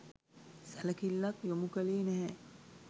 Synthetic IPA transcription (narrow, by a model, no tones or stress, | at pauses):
sælɐkilːɐkjomukəleːnɛɦɛ